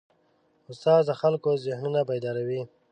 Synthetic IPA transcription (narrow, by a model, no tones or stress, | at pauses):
ʊst̪ɑːzd̪əxalkozɪhnunabajd̪ɑɾawi